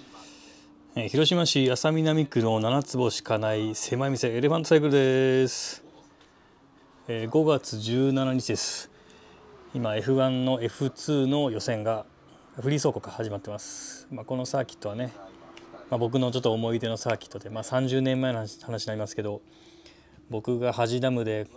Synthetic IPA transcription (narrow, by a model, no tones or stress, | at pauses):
eːçiɾo̞ɕimaɕiasamʲinamʲikɯ̟ɾoonanat͡sɨbo̞ɕi̥kanaise̞maimʲiseeɾe̞ɸãnt̪osaik̬ɯ̟ɾɯd̪esɨ̥ | eːɡo̞ɡat͡sɨʑɨːnanaɲ̟it͡ɕid̪e̞sɨ̥ | imae̞ɸɯ̟βãnːo̞e̞ɸɯ̟t͡sɨːno̞jo̞sẽ̞ŋɡa | ɸɯ̟ɾʲiːso̞ːko̞kahaʑimat̪ːe̞masɨ̥maːko̞no̞saːkʲi̥t̪ːo̞βane̞ | mabo̞k̬ɯ̟no̞t͡ɕo̞t̪ːoːmo̞id̪e̞no̞saːkʲi̥t̪ːo̞d̪e̞maːsãɲ̟d͡ʑɨːnẽ̞mːae̞nohanaɕiɲiaɾʲimasɨ̥ke̞d̪o̞ | bo̞kɯ̟ɡahaʑid̪amɯ̟d̪e̞